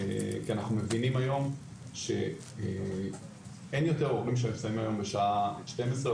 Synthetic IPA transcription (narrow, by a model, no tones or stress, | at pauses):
kianaχnume̞vinimajo̞m | ʃe̞̰ | enjo̞te̞ʁoʁimʃ̬emifsaimajo̞mbeʃaʃtemesʁe